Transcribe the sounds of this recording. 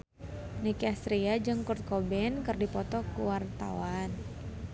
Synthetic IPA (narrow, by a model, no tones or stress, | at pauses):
nikast̪ɾiad͡ʒɨŋkurt̪̚kɔbɛnkɨrdipɔt̪ɔkuwart̪a̰wan